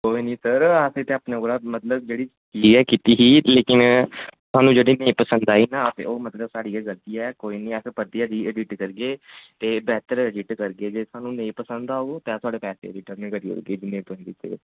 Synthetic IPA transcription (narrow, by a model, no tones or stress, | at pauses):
koːiːnĩːsəɾaset̪eaːpnãːoɾaːmət̪ləb̚d͡ʒeːɽiː | kiːɛːkit̪iːɦiːleːkɪnsʊaːnũːd͡ʒeːɽiːnẽĩpəsənd̪aːiːnãːt̪ḛːoːmət̪ləbsaːɽiːaɡəɾt̪iːɛːkoːiːnĩːɛspəɾt̪iaːd̪iːəɖɪʈkəɾɡeːt̪eːbɛːt̪əɾəɖɪʈkəɾɡeːd͡ʒeːsʰaːnũːnẽĩpəsə̃nd̪aːɦot̪ɛ̃ːt̪ʊaːɖeːpɛːsḛːɾɪʈəɾmɪkəɾiːo̰ɡeːd͡ʒɪneːt̪õɦɛ̃ːd̪it̪ːḛ